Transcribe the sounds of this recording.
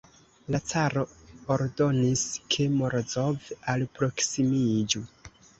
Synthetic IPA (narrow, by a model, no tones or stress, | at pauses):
lat͡saɾo̞oɾdo̞niskʰemoɾzovalpɾo̞ksimid͡ʒu